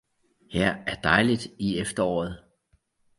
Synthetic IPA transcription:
hæɐ̰æɐd̥ɑ̈ɪlid̥iefd̥ɐɒ̰ːð̞̩ˠ

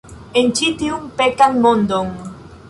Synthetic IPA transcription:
ent͡ʃit̪iuŋpekaŋmõnd̪oŋ

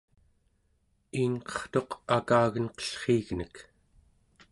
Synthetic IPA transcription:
iːnqʌ̥χt̪o̞qakaːɣənqʌ̥ɬχiːɣnək

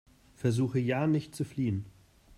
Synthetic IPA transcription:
fɛɐzuːxəjaːnɪçtt͡sufliːən

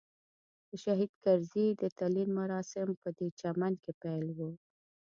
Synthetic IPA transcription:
d̪̥əʃaɦid̪kaɾzid̪ət̪alinmaɾɑsɪmpəd̪et͡ʃamankepajlwə

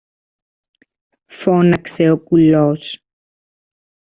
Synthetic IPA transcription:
fonɐkseokulos

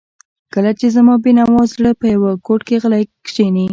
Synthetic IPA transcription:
kəlat͡ʃezamɑbenawɑzɽəpəjawəkoʈkeɣəlajkʃeni

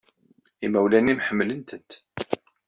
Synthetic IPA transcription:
imæwlænimħəmːlənt̪ənt̪

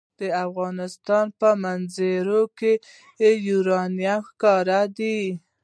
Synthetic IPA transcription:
d̪̥əafɣɑnɪst̪ɑnpəmanzeɾoke | ejuɾɑnijaxkɑɾad̪i

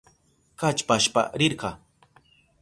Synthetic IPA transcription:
kat͡ʃpaʃpa̰ɾɪɾɢɑ

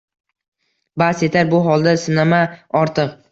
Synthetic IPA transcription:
base̞t̪ʰaɾbʊɦɒlˠd̪asɪnamaɒɾt̪ʰɨq

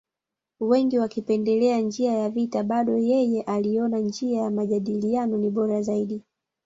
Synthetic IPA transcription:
wɛŋɡiwakipɛndɛlɛand͡ʒiajavitaɓaɗɔjɛjɛʔaliɔnand͡ʒiajamaʄaɗilianɔniɓɔɾazaiɗi

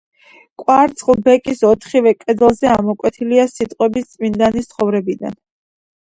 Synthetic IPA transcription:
kʼwaɾt̪sʰʼχlˠbɛkʼisɔt̪ʰχivɛkʼɛd̪lˠzɛamɔkʼwɛt̪ʰiliasit̪ʼqʼwɛbist̪sʼmind̪anist̪sʰχɔvɾɛbid̪a̰n

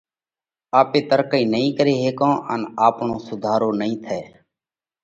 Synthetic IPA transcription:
aːpeːt̪əɾkəĩːnəĩːkəɾeːɦeːkãːʔənaːpɳõːsʊd̪ʱaːɾoːnəĩːt̪ʰɛː

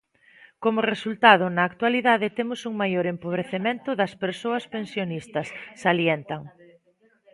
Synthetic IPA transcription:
komʊresult̪að̞ʊnɐːk̚t̪waliðaðɪt̪emʊsuŋmajoɾempoβ̞ɾeθemẽnt̪ʊðɐspeɾsoɐspensjonist̪ɐsːaljent̪ɐŋ

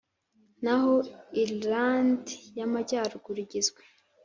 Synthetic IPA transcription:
nahoiɾlandijamaɟaːɾɡuɾiɟizɡwe

